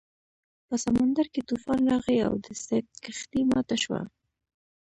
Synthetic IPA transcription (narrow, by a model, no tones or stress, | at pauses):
pəsamand̪aɾket̪ufɑnɾɑɣea̰wd̪əsat̪̚kɪxt̪imɑ̰t̪aʃwa̰